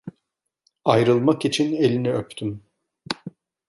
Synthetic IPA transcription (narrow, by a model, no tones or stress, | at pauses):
ajɾɯlˠmakit͡ʃʰine̞lʲiniøpt̪ʰym